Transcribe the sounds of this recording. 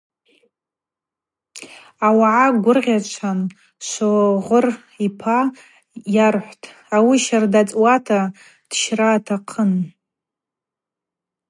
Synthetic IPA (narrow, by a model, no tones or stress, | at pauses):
awaʕaɡʷʊrʁʲat͡ʃʷʰan | ʃʷoʁʷʊr | ipʰa | jarħʷtʰʼ | awiʃardat͡sʼwatʰa | d̥ʃraːtʰaqʰən